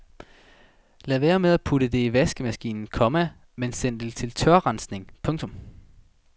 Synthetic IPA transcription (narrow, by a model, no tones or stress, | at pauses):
læʋæːɐmeðˠæpʰudəd̥e̝iʋæsɡ̥əmæsɡ̥ḭːnn̩kʰɒ̽mæ | mensen̰d̥elt͡sʰe̝lt͡sʰɶɐʁɑ̈nsne̝ŋpʰɔ̽ŋt͡sʰɔ̽m